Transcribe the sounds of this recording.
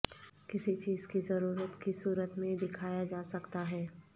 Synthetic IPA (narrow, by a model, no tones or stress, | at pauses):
kɪsit͡ʃiːz̥kizɐɾuːɾət̪kisuːɾət̪mẽd̪ɪkʰaːjad͡ʒaːsɐkt̪aɦɛː